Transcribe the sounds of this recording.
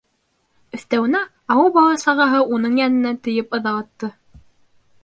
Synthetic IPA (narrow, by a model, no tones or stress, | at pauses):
ɵ̆θt̪æwɘ̆næ | ɑwɤlˠbɑlˠɑsɑʁɑɦɤʔunɤɴjænɘ̆næt̪ɘ̆jɘpɤ̆ðɑɑ̆t̪ːɤ